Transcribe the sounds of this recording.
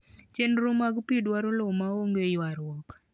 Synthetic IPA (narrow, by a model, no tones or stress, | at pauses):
t͡ʃenɾomaɡpidwaɾolomaoŋɡejwaɾwɔk